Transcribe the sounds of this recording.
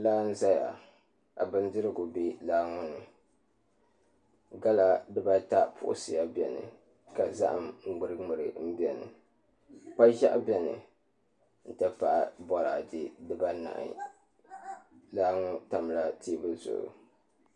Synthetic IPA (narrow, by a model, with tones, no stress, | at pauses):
laː˦n̩˦za˦ja̰˨ | a˨bɨ˦ndɨ˦ɾɨ˦ɡʊ˨bi˦laː˦ŋʊ˦nɨ˨ | ɡa˦la˨dɨ˦ba˦ta˦pʰʊ̰˦˨ʔʊ̰˦sɨ˨ja˦bʲɛ˨nɨ̰˨ | ka˨za̰˦ʔa˨mŋ̩˦ɡ͡bʊ˨ɾɨ˦ŋ͡mʊ˨ɾɨ˨m̩˦bɛ˨nɨ̰˨ | k͡pa˦ʒa˦ʔbʲɛ˦nɨ̰˨ | n̩˨tɨ˦pa˨ʔa˦˨bɔ˦ɾa̰˨dɪ˦dɨ˦ba˦na̰˨ʔḭ˨ | laː˦ŋɔ˦ta˨m˨la˦ti˦bɨ˦zʊ̰˨ʔʊ̰˨